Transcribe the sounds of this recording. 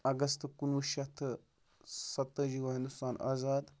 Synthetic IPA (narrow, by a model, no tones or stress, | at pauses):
ɐɡɐst̪kunuʃɐt̪ʰ | sɐt̪ːəd͡ʒiɡoɦind̪ust̪aːnʔa̰ːzaːd̪